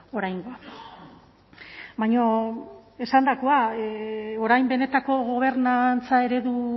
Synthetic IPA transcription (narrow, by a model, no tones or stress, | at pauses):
o̞ɾajŋɡoa | bajɲo | e̞sand̪ako̞a | o̞ɾajmbe̞ne̞t̪ako̞ɣo̞β̞e̞ɾnant͡sae̞ɾe̞ðu